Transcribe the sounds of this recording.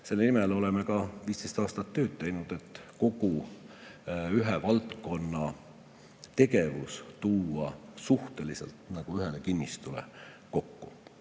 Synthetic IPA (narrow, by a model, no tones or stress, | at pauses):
se̞lːenimelo̞le̞me̞kɑviːst̪e̞jst̪ɑːst̪ɑt̪ːø̞ːd̪̥̚t̪e̞jnud̪̥e̞t̪ːˑko̞ɡ̥u | yɦevɑlt̪ko̞nːɑ | t̪e̞ɡe̞vust̪uːɑsuht̪e̞lisḛlt̪nɑɡ̥uyɦelekinʲːist̪ulḛ | ko̞kːu